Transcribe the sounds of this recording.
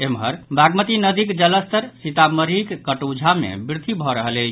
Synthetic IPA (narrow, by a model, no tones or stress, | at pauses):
emɦəɾbʱaɡmət̪inəd̪ikd͡ʒələst̪əɾsit̪aməɾikkəʈud͡ʒʱamḛbɾt̪ibʱɔɾəɦələt͡ʃʰ